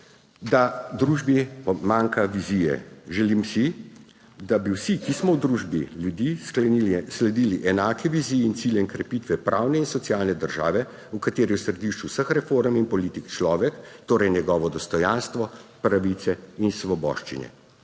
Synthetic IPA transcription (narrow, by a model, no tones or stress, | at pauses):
d̪ad̪ɾuːʒbipɔmaŋkaʋizijɛ̰ʒɛlimsi | d̪abiwsikismɔwd̪ɾuʒbiljud̪iskɛslɛd̪iːliʔɛnaːkɛʋiziːjɛint̪siljɛnkɾɛpit̪ʋɛpɾʔaːwnɛinsɔt̪sjaːlnɛd̪əɾʒaːʋɛ | ukat̪eːɾiwsɾɛd̪iʃt͡ʃuwsəxɾɛfoɾminpɔliːt̪ikt͡ʃlɔːʋɛkt̪oːɾɛjnɛɡɔːʋɔd̪ɔst̪ɔjanst̪ʋɔpɾaʋit̪sɛinsʋɔbɔ̰ːʃt͡ʃḭnɛ̰